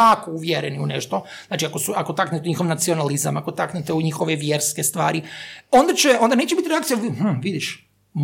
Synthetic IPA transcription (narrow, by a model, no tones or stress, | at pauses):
akouʋjeɾeniunḛʃt̪o̞ | znaːt͡ʃiakosuako̞t̪aknet̪euɲixo̞ʋnat̪sio̞naliza̰makot̪aknet̪euɲixo̞ʋeʋjeːɾskest̪ʋaːɾio̞nd̪at͡ɕeo̞nd̪aneːt͡ʃebit̪iɾeak̚t̪ijaih̩ʋid̪iʃ | m